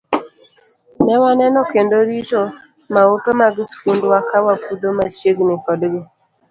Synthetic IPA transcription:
nɛwanɛnɔkendoɾito | maopemaɡɪskundwakawapudomat͡ʃjeɡnɪkɔdɡɪ

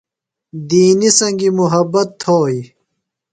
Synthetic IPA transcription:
d̪iːnisɐŋɡimuɦɐbɐt̪ʰːoːji

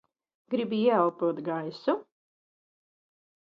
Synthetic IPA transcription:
ɡɾibiiɛalˠp̪uɔt̪ɡajsu

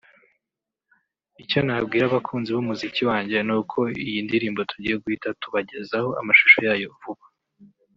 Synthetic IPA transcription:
ico̞nabɡiːɾaβakʰuːnziβumuziciwaːɲɟe̞nuːkʰo̞ijindiɾiːmbo̞tuɟiːje̞ɡuhitatuβaɟe̞zaho̞ʔa̰maʃu̥ʃo̞jaːjo̞vuβḁ

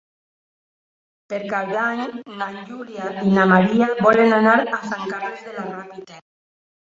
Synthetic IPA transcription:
peɾkawðaɲnaɲʎuljainamaɾiabɔlenanaɾasaŋkarlezðelarapit̪el

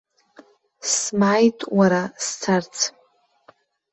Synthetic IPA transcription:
smajtʼwaɾast͡sʰart͡sʰ

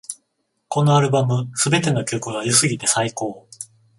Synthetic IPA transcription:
ko̞no̞aɾɯ̟bamɯ̟sɨbe̞t̪e̞no̞kʲo̞kɯ̟ɡajɯsɨɡʲit̪e̞saiko̞ː

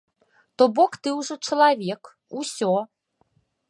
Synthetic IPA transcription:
t̪ɔbɔkt̪ɨwʐɔt͡ʂɐlˠavʲɛk | usʲɔ

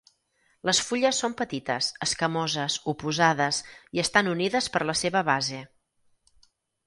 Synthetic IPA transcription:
ləsfuʎəsːompət̪it̪ə̰səskəmɔzəsupuzaðəsiəst̪anuniðəspəɾləseβəβaze

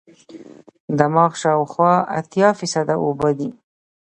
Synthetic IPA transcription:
d̪amɑxʃɑwxwɑa̰t̪jɑfisad̪aobəd̪i

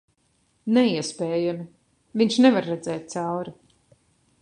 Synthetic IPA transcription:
nɛiɛspɛːjami | viɲʲʃnɛvaɾːɛd̪zɛːt̪̚t̪sawɾu

